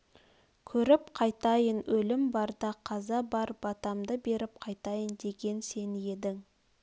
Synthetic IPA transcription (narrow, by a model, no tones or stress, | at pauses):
kʲʰɵɾɪpqʰɑjt̪ɑjənwɵlɪmbɑɾd̪ɑqʰɑzɑbɑɾbɑt̪ɑmd̪əbe̞ɾɪp̚qʰɑjt̪ɑjənd̪e̞ɡʲe̞nse̞ne̞d̪ɪŋ